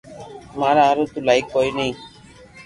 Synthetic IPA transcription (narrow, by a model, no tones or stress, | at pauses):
maɾaaɾot̪ulajkːɔjnej